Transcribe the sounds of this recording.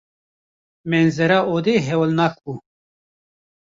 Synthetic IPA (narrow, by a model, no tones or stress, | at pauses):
menzeɾaʔod̪eɦewlnak̚bu